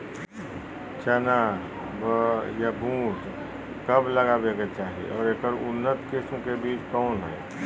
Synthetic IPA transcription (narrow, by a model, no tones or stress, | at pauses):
t͡ʃəna | bəjabʱũːʈ | kəbləɡabeket͡ʃaːɦiḛʔɔːɾekəɾʊnːət̪kesũkebiːt͡ʃkɔːnɦɛː